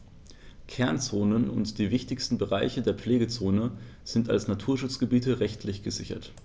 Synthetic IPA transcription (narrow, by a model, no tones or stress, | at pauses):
kʰɛɐnt͡soːnənʊ̰ntd̥iːvɪçtɪçstn̩bəʁaɪçədeːɐpp͡fleːɡət͡soːnə | z̥ɪnta̰lsnatʰuːɐʃʊt͡sɡ̥əbiːtəʁɛçtʰlɪçɡ̥əzɪçɐ̰t